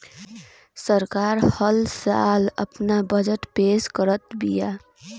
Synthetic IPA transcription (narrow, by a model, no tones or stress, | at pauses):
səɾkaːɾhəlsa̰ːlə̰pnabəd͡ʒəʈpeːʃkəɾət̪bijaː